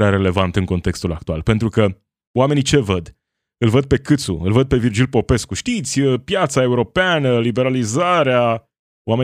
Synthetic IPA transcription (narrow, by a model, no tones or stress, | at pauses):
ɾaɾe̞le̞vant̪ɨŋko̞nt̪e̞kst̪ulak̚t̪ua̰lpe̞nt̪ɾukə | oame̞nit͡ʃe̞vəd̪ | ɨlvəd̪̚pe̞kɨt̪sṵɨlvəd̪̚pe̞vird͡ʒilpo̞pe̞skuʃt̪it̪sʲəpjat̪sae̞uɾo̞peanəlibe̞ɾalizaɾea | oame